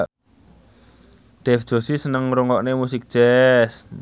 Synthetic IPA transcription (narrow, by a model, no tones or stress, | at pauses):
d̥ɛfd̥ʒ̥o̤sisənəŋɾuŋɔʔnemusik̚ʒ̥ɛs